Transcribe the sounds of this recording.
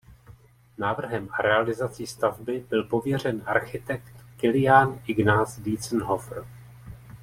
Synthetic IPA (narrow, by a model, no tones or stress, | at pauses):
naːvr̩ɦɛmɾʔɛalɪzat͡sist̪avbɪbɪlpo̞vjɛr̝ɛnʔaɾxɪt̪ɛkt̪kɪlɪjaːnɪɡnaːzdiːt͡snɦofr̩